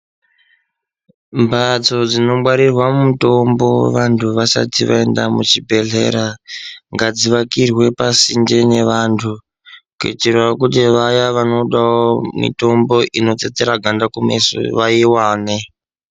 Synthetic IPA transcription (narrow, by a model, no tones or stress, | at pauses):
mbʱat͡so̞d͡zino̞ɓwaɾirwammuto̞mbo̞wḛʋantʰuʋasa̰tiʋa̰endamut͡ʃibʱe̞ɮe̞̰ɾaŋɡad͡ziʋakirwe̞pasind͡ʒene̞ʋantʰu | kwḛt͡ʃirwakutiʋajaʋano̞ɗawomḭto̞mbo̞ʔino̞t͡set͡seɾaɡʱandakumḛso̰ʋaiwaːne